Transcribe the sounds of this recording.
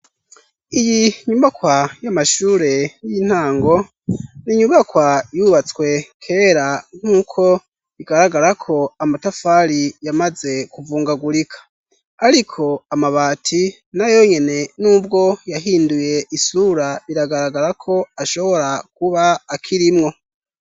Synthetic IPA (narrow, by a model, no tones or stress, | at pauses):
ijiɲumakwajamaʃuːɾe̞jin̥haːŋɡo̞ | niɲuβakwajuβat͡swe̞kʰe̞ːɾan̥uːkʰo̞ | iɡaɾaɡaɾakʰo̞amatafaɾijamaze̞kuvuːŋɡaɡuɾikʰḁː | ɾikʰo̞amaβaːtʰi | najo̞ɲe̞ne̞nuːbɡo̞jaɦiːnduje̞ʔisuɾaiɾaɡaɾaɡaɾakʰo̞aʃo̞βo̞ɾak̚uβaːkʰiɾimŋo̞